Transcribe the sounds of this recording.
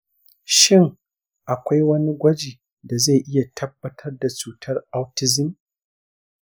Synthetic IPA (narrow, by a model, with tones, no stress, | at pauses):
ʃɪ˦˨ŋ | ʔa˨kʷa˦jwɐ˦ni˦ɡʷɐ˦d͡ʒiː˨ | da˨za˦˨ʔɪ˦ja˨tʰɐ˦bːɐ˦tʰɐ˦rda˨t͡ʃuː˨tʰɐ˦rʔa˦wtɪ˦zɪ˦n